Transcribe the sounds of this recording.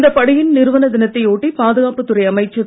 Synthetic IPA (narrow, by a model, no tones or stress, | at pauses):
nd̪ɐpɐɽɪjɪnnɪɾɯʋɐnɐd̪ɪnɐt̪ːɐɪoːʈːipaːðɯɣaːpɯt̪ːɯɾɐɪɐmɐɪt͡ʃːɐ